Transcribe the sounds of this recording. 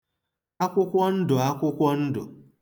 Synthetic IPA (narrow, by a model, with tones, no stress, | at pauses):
a˦kʷʊ˦kʷɔ˦n̩˦dʊ˨a˦kʷʊ˦kʷɔ˦n̩˦dʊ̰˨